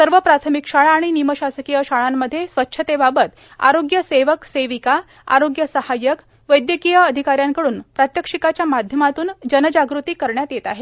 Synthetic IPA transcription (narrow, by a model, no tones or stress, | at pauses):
səɾʋəpɾat̪ʰəmikʂaɭaːɽ̃iniməɕasəkijəɕaɭamːəd̪ʱːjesʋətːɕʰət̪ebabət̪ | a̰ɾoɡjəseʋəkseʋika | a̰ɾoɡjəsəhajək | ʋəjd̪jəkijəəd̪ʱikaɾjaŋkəɽuːnpɾat̪jəkʂikat͡ɕjamad̪ʱjəmat̪uːnd͡ʑənəd͡ʑaɡɾut̪iːkəɾɳjat̪jet̪aɦe